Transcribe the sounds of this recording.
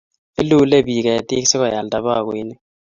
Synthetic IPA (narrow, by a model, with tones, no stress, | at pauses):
ɪ˦lu˦le˦˨bi˨ka˨ɛ˨tɪ˦ksɪ˦kɔ˨ja˨lda˨ba˦˨kwi˦nɪ˦